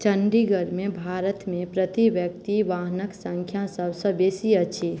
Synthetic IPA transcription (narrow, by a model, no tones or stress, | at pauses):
t͡ʃəɳɖiɡəɾmẽbʱaːɾət̪mẽpɾət̪iʋjək̚t̪iʋaɦnəksə̃ŋkʰjãsəbsəbeːsiət͡ʃʰi